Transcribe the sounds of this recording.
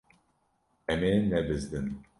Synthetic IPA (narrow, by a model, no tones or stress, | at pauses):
ɛmeːnɛbɨzd̪ɨn